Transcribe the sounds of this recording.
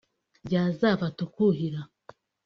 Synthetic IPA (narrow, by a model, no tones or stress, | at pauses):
ɟaːzavatukuɦiɾa